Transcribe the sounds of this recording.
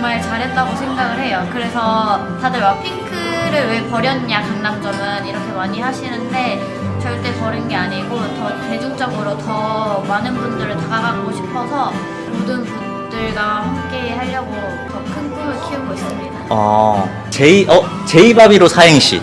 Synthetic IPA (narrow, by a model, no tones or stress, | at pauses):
t͡ɕʌŋmaɭt͡ɕaɾet͈̚aɡosʰe̞ŋɡaɡɯɭhe̞jokɯɾe̞sʰʌ | tadɯɭwapʰiŋkʰɯɾɯɭwe̞pʌɾjʌnɲakanːamd͡ʑʌmɯniɾʌkʰe̞maɲiɦaɕʰinɯnde̞ | t͡ɕʌɭt͈e̞pʌɾɯnɡe̞aɲiɡotʌte̞d͡ʑuŋd͡ʑʌɡɯɾotʌmanɯnbundɯɾɯɭtaɡaɡaɡoɕʰi̥pʰʌsʰʌ | modɯnpun | dɯɭɡahamk͈e̞ːɦaʎjʌɡo | tʌkʰɯnpʰuɡɯɭkʰiuɡois͈ɯmɲidaʌ̰ | t͡ɕe̞iʔʌt͡ɕe̞ibabiɾosʰajeŋɕ͈ḭ